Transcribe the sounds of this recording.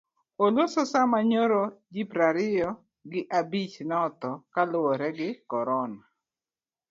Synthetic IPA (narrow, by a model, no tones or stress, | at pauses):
olososamaɲoɾod͡ʒipɾaɾɪjɔ | ɡɪʔabit͡ʃnɔt̪ɔkalʊwoɾɛɡɪkɔɾɔna